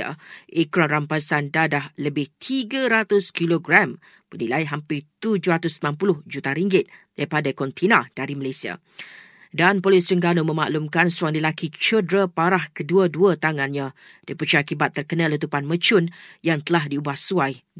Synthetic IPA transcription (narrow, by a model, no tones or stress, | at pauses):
a̰ʔikɾanrampasandadahləbɪht̪ʰiɡaɾat̪ʊskiloɡɾam | bənilajɦampɪt̪ud͡ʒʊɾat̪ʊsəmnanpulʊhd͡ʒut̪aɾiŋɡɪt̪̚d̥aipadakɔnt̪ʰinad̥aɾiməlajsia̰ | danpolɪst͡ʃəŋɡanomə̃ma̰ʔlumkansuwaŋləlakit͡ʃədɾapaɾahkəduəduat̪aŋanɲã | d̥əpət͡ʃakibat̪ːərkənãlət̪upanmə̃t͡ʃʊnjaŋt̪əlaɦdiubahsuaj